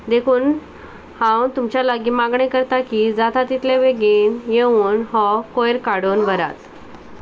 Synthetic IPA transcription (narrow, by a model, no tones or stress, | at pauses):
d̪ekʰuːn | hãwt̪umt͡ɕjaləɡiːmaɡɳekəɾt̪akiːd͡zat̪at̪it̪leʋeɡenjeʋuːnɦɔkojɾkaɽonʋəɾa̰t̪